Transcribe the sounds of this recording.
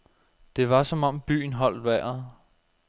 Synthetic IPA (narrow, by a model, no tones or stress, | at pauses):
d̥e̝ʋɑ̈sɒ̽mɒ̽m̰b̥y̰ːn̩ɦɒ̽l̰d̥ʋæɐ̰ð̩ˠ